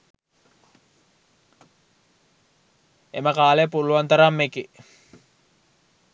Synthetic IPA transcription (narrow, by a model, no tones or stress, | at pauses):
eməkaːlepuluant̪ɐɾamːeki